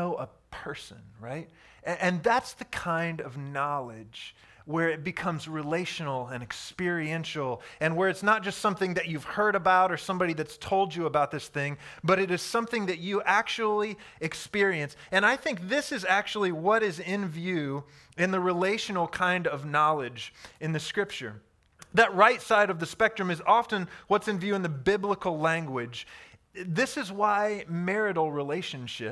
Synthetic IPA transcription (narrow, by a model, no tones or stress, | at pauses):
oʊʔəpʰɜ˞sɨ̰̃nɹaɪt̚ | ʔɨ̃nðætsðɨkʰãɪ̃ndʌvnɑlˠɪ̥d͡ʒ | wə˞ɨt̚b̥ɨkʰʌ̃mzɹileɪʃɨnl̩ˠɨ̃nɨkspɪɹiɛ̃nʃl̩ˠɨ̃nwə˞ɨtsnət̚d̥ʒ̥ʌstsʌ̃mθɪ̃ŋðɨt͡ʃʉv̥hɜ˞ɾɨbaʊɾə˞sʌ̃mbɑɾiðɨtstʰoʊlˠd͡ʒɨəbaʊt̪̚ðɪsθɪ̃ŋbʌɾɨɾɨz̥sʌ̃mθɪ̃ŋðɨt͡ʃɨʔæk̚t͡ʃul̩ˠiɨkspɪɹiɨ̃nsɨ̃ñaɪθɪ̃ŋk̚ðɪsɨzæk̚t͡ʃul̩ˠiwʌɾɪzɪ̃nvjʉ | ɨ̃nðɨɹileɪʃɨnl̩ˠkʰãɪ̃ndʌvnɑlˠɪd͡ʒɨ̃nðɨskɹɪp̚t͡ʃə̰˞ | ðɨt̚ɹaɪtsaɪɾʌvðɨspɛk̚tɹ̥ɨ̃mɨzɑfɨ̃nwʌtsɨ̃nvjʉɨ̃nðɨbɪbləkl̩ˠlæ̃ŋɡwɪd͡ʒ | ðɪsɨzwaɪmɛɹɨɾl̩ˠɹileɪʃɨ̃n̩ʃɪ